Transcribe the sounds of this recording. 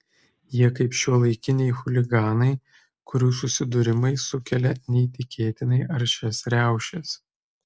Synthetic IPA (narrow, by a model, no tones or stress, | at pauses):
jiɛkɐɪpʃʲuɔlˠɐɪkʲɪnʲɛɪxʊlʲɪɡɑːnɐɪ | kʊɾʲuːs̬ʊsʲɪd̪ʊɾʲɪmɐɪsʊkʲɛlʲɛnʲɛit̪ʲɪkʲeːt̪ʲɪnɐɪʔɐɾʃʲɛsɾʲæˑʊʃʲes